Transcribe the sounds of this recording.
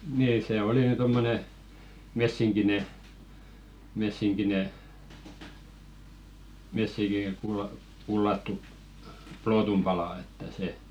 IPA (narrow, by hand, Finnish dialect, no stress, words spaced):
niː seˑ oli ny tomːone mesːiŋkine mesːiŋkine mesːiŋkikulːɑ kulːɑtːu ploːtum pɑlɑˑ etːæ se